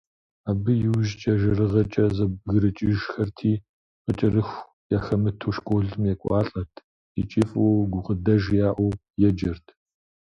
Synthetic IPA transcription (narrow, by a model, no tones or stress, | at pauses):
aːbɨjɪwʒt͡ʃʼɐʒɐrɨʁɐt͡ʃʼɐzɐɣɨɾɨt͡ʃʼɪʒxɐrtʰiː | qət͡ʃʼɐrɨxʷ | jaːxɐmɨtʰuːʃkʷʼoːɮɨmjɛkʷʼɑːɬʼɐrtʰ | it͡ʃʼɪfʼoɡʷʊqədɐʒjaːʔʷɔ | jɛd͡ʒɐrtʰ